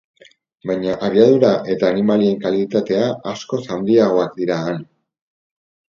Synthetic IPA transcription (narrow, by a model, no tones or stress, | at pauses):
bajɲaʔaβiaðuɾaʔe̞t̪aːnimalie̞ŋkalit̪at̪e̞aasko̞sand̪iaɣ̞o̞akd̪iɾaːn